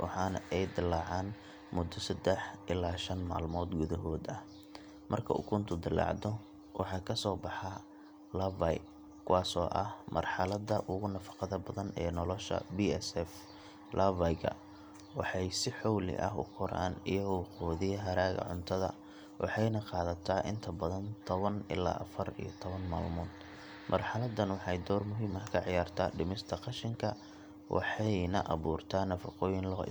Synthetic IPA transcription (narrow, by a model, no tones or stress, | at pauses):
wʔɑ̰ħɑːnɐʔɛjd̪ɪlːɑːʕaːn | mʊd̪ːɔsɐd̪ɛħʔɪlːaːʃɐnma̰ːlmɔːd̪ɡʊðɐɦɔːd̪ɐh | mɐrkʰɐ̰ʊ̰kʰʊnt̪ʰʊd̪ɪlɑ̰ʕd̪ɔ | wʔɑ̰ħɑːkʰɐsɔːbɑħɑ | lɐvaj | kʰʊwɑːsɔːʔɐhmɐ̰rħɑlɐðɐʔʊɣʊnɐfɑ̥qɑðɐbɐðɐnɛːnɔlɔʃɐ̰biɛsɛf | lɐvajɡʰɐ̰ | wɑħɑjsɪħɔwlɪ̰ʔɐ̰ɦʊ̰kʰɔɾa̰ːnɪjɐɣɔwqɔːðɪjɐɦɐɾaːɣɐ̰ʕʊ̰nt̪ʰɐðɐ̰ | wʔɑ̰ħɑjnɐqɑːðɐt̪ʰaːʔɪnt̪ʰɐbɐðɐnt̪ʰɔβɐnɪ̰la̰ːʔɐfɐrḭjɔt̪ʰɔβɐnma̰ːlmʊːd̪ | mʔɐrħɑlɐðɐnwɑħɑjd̪ɔːrmʊɦiːmɐkʰɐʕɪjaːrt̪ʰa̰ːɖɪmɪst̪ʰɐqɑʃɪŋkʰɐ | wʔɑ̰ħɑjnɐʔɑβuːrt̪ʰaːnɐfɑqɔːjɪnlɔː